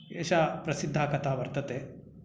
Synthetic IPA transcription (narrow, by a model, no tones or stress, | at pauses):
eːʃapɾɐsid̪ʱːaːkɐt̪aːʋɐɾt̪ɐt̪eː